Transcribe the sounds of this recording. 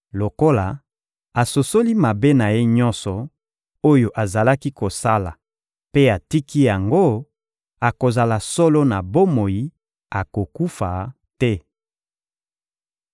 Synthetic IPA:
lo˨ko˦la˨ | a˨so˨so˦li˦ma˨be˦na˨je˦ɲɔ̃˦nsɔ˨ | o˦jo˨ʔa˨za˨la˦ki˦ko˨sa˦la˨ | pe˦a˨ti˦ki˦ja˨ŋɡo˦ | a˨ko˨za˨la˨sɔ˦lo˦na˨bo˦mo˨ji˦ | a˨ko˨ku˦fa˨ | tɛ˦

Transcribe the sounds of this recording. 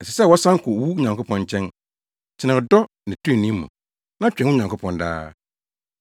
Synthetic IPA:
ɛ˨sɛ˨sɛ˦˨wɔ˦sã˦ŋ˦kʰʊ˨wu˦ɲã˨ŋko˦pʰɔ̃˦ɲt͡ɕʰɛ̃˦n | t͡ɕʰɪ˨nã˨dɔ˦ | nɪ̃˨tʰʊ˦ĩ˦˨nĩ˦mṵ̃˨ | nã˦t͡ɕᶣɛ̃˨˦ʊ̃˦ɲã˨ŋkʰʊ˦pʰɔ̃˨nda̰ː˦

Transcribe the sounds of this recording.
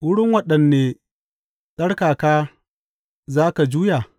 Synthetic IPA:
wʊ˦ɽɪ˦ŋwɐ˦ɗɐ˨nːeː˨ | sʼɐ˦ɽkaː˨kaː˦ | zaː˦ka˨d͡ʒuː˦jaː˨

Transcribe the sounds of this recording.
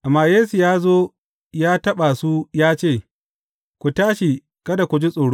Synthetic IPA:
ʔa˨mːaː˨jeː˦su˨jaː˦zoː˦ | jaː˦tɐ˦ɓa˨su˦jaː˦t͡ʃeː˦˨ | kʷu˨taː˦ʃi˨ | kɐ˦da˨kʷu˨d͡ʒi˦sʼoː˨ɽo˦

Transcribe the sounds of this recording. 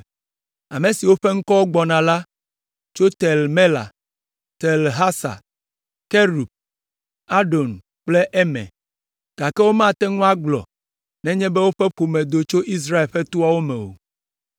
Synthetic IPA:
a˨me˨si˨wo˦ɸe˦ŋ̩˦kɔ˦wo˦ɡ͡bɔ˨nã˨la˦ | t͡ʃo˦t̪ɛ˨lme˦la̰˨ | t̪ɛ˨lɦa˦sa̰˨ | ke˦ɾu˨b̚ | a˦ɖo˨n | k͡ple˦ʔɛ˦mɛ̰̃˨ | ɡ̥a˨kɛ˦wo˦mã˦˨t̪ɛ˦ŋũ˦a˦ɡ͡blɔ̰˨ | nɛ̃˦ɲɛ̃˦bɛ˦wo˦ɸɛ˦ɸo˨mɛ̃˨d̪o˨t͡ʃo˦ʔi˦s̬ɾa˦e˨lɸɛ˦t̪u˦a˦wo˦mɛ̃˨wo̰˨

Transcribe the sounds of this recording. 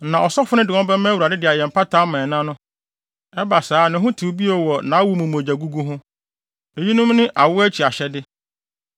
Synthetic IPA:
nã˨ɔ˨sɔ˦fʊ˦nɪ̃˦dɪ˨ɔ̃˦bɛ˦mɛ̃˦wu˨ɾa˨dɪ˦dɪ˨a˨jɛ̃˨m̩˨pʰa˦tʰa˦mã˨nã˦nʊ̃˦ | ɛ˦ba˨saː˦nɪ̃˨˦ɦʊ̃˦tʰu˨˦bi˦o˨wɔ˨nã˨˦a˦wu˨˦mʊ̃˨m̃˨d͡ʑa˨ɡu˦ɡu˦ɦʊ̃˦ | e˨ji˦nʊ̃˦mnɪ̃˦ʔa˨wʊ˦æ˦t͡ɕʰi˨a˨ɕɛ˨dɪ˦

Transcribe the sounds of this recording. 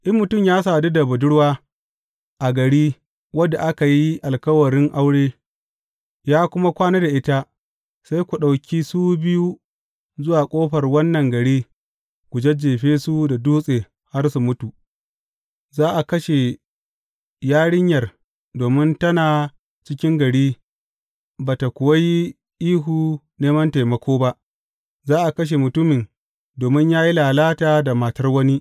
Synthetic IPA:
ʔɪ˦mːʊ˨tʊ˦˨mjaː˦s̬aː˨de˦da˨bɐ˨dʊ˦ɽwaː˦ | ʔa˨ɡɐ˨ɽiː˦ | wɐ˦da˨ʔa˦ka˨ji˦ʔa˨lkɐ˦wɐ˨ɽɪ˦ŋʔa˦wɽeː˦ | jaː˦kʷʊ˦ma˦kʷaː˦ne˦da˨ʔɪ˦ta˦ | sa˦jkʷu˨ɗa˨wkʲi˦suː˦bɪ˦ju˦ | zʊ˦waː˨kʷʼoː˦ɸɐ˨rwɐ˦nːɐ˨ŋɡɐ˨ɽiː˦ | kʷu˨d͡ʒɐ˦d͡ʒeː˨ɸeː˦su˦da˨duː˦sʼeː˨ | ha˦rsu˨mʊ˦tu˨ | zaː˦ʔa˨kɐ˦ʃe˨ | jaː˦ɽɪ˦ɲjɐ˨r | doː˨mɪ˦ntɐ˦naː˨ | t͡ʃɪ˦kʲɪ˦ŋɡɐ˨ɽiː˦ | baː˨ta˨kʷʊ˨wɐ˦ji˦ | ʔiː˦ɦuː˨ | neː˦mɐ˦nta˨jmɐ˨kʷʰoː˦ba˦ʔ | zaː˦ʔa˨kɐ˦ʃ̬e˨mʊ˨tʊ˦mɪ˨n | doː˨mɪ˦ɲjaː˦ji˦laː˨laː˦taː˨da˨ma˨tɐ˦rwɐ˦ni˦ʔ

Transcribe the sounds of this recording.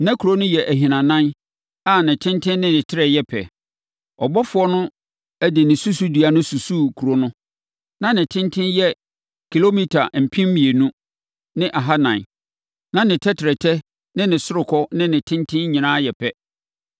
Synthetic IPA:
nã˦kʰu˨ɾo˦nʊ̃˦jɛ˨ʔæ˨ɦĩ˨nã˨nã˦n | a˦˨nɪ̃˨tʰɪ̃˦ntʰɪ̃˦nːɪ̃˦nɪ̃˨tʰɪ˦ɾɛ˨jɛ˦pʰɛ̰˨ | ɔ˨bɔ˦fʊ˦ɔ˦nʊ̃˦ | æ˦dɪ˨nɪ̃˨su˦su˦dɥa˨nʊ̃˦su˨su˦kʰu˨ɾo˦nʊ̃˦ | nã˦nɪ̃˨tʰɪ̃˦ntʰɪ̃˦njɛ˦ | kʰi˨lo˦mi˦tʰa˨m̩˨pʰĩ˦mmĩ˨e˨nũ˦ | nɪ̃˦ʔa˨ɦa˦nã̰˨n˨ | nã˦nɪ̃˨tʰɛ˦tʰɪ˨ɾɛ˨tʰɛ˦ | nɪ̃˦nɪ̃˨sʊ˦ɾʊ˨kʰɔ˦nɪ̃˦nɪ̃˨tʰɪ̃˦ntʰɪ̃˦nɲɪ̃˨nã˦jɛ˨pʰɛ˦

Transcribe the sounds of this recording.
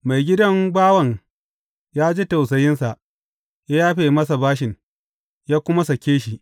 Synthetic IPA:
ma˨jɡʲɪ˦dɐ˦ŋbaː˦wɐ˨ŋ | jaː˦d͡ʒe˦ta˨wsɐ˨jɪ˦nsa˨ʔ | ja˦jaː˦ɸeː˦˨mɐ˦sa˨baː˦ʃ̬ɪ˨ŋ | jaː˦kʷʊ˦ma˦sɐ˨kʲeː˦ʃi˨ʔ

